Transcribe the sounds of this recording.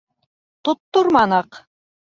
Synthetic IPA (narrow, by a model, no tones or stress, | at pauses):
t̪ŏt̪ːoɾmɑnɑq